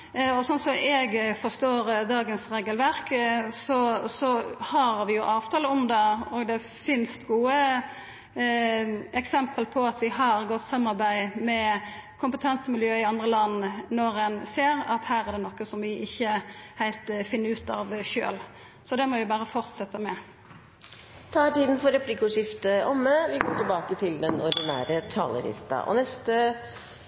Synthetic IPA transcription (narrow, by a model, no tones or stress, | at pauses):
ɔsɔnsɔɛɡfɔst̪oːɾd̪ɑːɡənsɾeːɡəlʋæɾksɔsɔhɑɾʋɪjʊʔɑːʋt̪ʰɑːləʊmd̪ɛɔːɡd̪ɛ | fɪnst̪ɡuːə | ɛksɛmpəlpʰɔɑt̪ʋɪɦɑɾɡɔt̪ːsɑmːɑɾbæɪmɛkʰʊmpət̪ʰɛnsəmɪljøːɪɑnd̪ʁəlɑnːnɔɾɛnseːʁɑt̪hæːʁæɾɖ̪ɛnɔkːəsɔmʋɪʔɪçːəhæɪlt̪fɪnːəɾʉːt̪ɑʋʃø̰ːl | sɔd̪ɛmɔʋɪbɑːɾəfɔɾt̪sɛt̪ːəmɛ | t̪ʰɑːæʈiːd̪n̩fɔɾɛplɪkʊʂɪft̪əʔɔmːəʋɪɡoːʈʰɪlbɑːkət̪ʰɪld̪ɛnɔɾd̪ɪnæːɾət̪ʰɑ̰ːlə̰lɪ̰st̪ɑ̰ʔɔ̰nɛst̪ə